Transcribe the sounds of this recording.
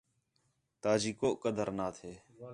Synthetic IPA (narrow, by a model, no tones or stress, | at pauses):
t̪aːd͡ʒiːkoːʔkːəd̪ʱəɾnaːt̪ʰeː